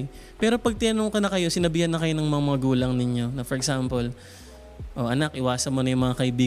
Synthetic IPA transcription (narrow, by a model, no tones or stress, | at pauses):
pɛːɾo̞pɐɡ̚t̪ɪnɐnoŋkɐnɐkɐjo̞sɪnɐbɪhɐnːɐkɐjo̞nɐŋmɐŋamɐŋɐɡuːlɐŋnɪɲjo̞nɐfoɾɛɡsampol | ʔo̞ʔɐnakʔɪwaːsɐnmonɐjʊŋmɐŋakɐʔɪbiː